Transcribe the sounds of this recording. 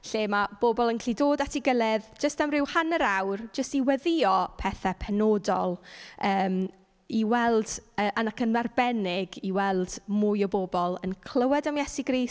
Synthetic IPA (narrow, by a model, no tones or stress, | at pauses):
ɬeːmab̥oːbɔlˠənkʰɬidoːdatʰiɡəlˠɪðd͡ʒəstamrɪwhanəɾawrd͡ʒəstiwɛðɪɔpʰɛθɛpʰɛnoːdɔ̰lˠəːm | iwɛlˠd̥əːʔanakənmarbɛnɪɡiwɛlˠd̥mʊjɔboːbɔlˠənkʰl̥ˠəwɛdamjɛsiɡriːs